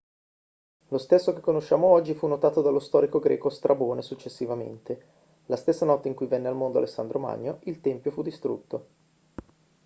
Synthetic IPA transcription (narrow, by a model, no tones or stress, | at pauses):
lost̪esːokekːonoʃːaːmoɔd͡ʒːifunːot̪aːt̪od̪alːost̪ɔːɾikoɡɾɛ̰ːkost̪ɾʔaboːnesut͡ʃːesːivamḛnt̪e | last̪esːanɔt̪ːeiŋkujvɛnːealmond̪oalesːand̪ɾoma̰ɲːoilt̪ɛmpjofud̪ːist̪ɾṵt̪ːo